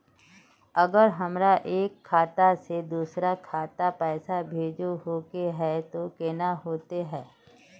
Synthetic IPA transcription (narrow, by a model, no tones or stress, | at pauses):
ɐɡəɾɦɐmɾaʔeːkʰːaːt̪ased̪uːsɾakʰaːt̪apɛːsabʱeːd͡ʒoɦoːkeɦɛt̪okeːnaɦoːt̪eɦɛː